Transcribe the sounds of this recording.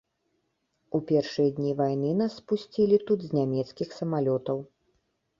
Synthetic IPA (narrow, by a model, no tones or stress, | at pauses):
upʲɛrʂɨjɐd̪ʲnʲivajnɨnasːpusʲt͡sʲilʲit̪ud̪zʲnʲamʲɛt̪skʲixsɐmalʲɔt̪ɐw